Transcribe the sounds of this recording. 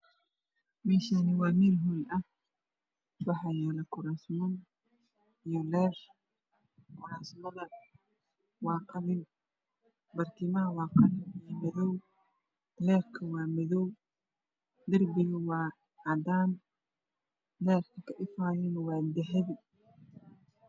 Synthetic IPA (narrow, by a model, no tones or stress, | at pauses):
mɛːʃaːnɪwɑːmiːlɦuːnʔɐh | wɑħɑːjɛːlɛkʰʊɾaːsmɐn | ijɔlɛːr | kʰʊɾaːsmɐðɐ | wɑːqɑlɪn | bɐrt̪ʰiːmɐɦɐwɑːqɑlɪnijɔmɪðɔw | lɛːrkʰɐwɑːmɪðɔw | d̪ɐrbɪɣɐwɑː | ɑd̪aːn | lɛːrkʰɐkʰɐʔɪfaːjɛnɐwɑːd̪ɛħɛðɪ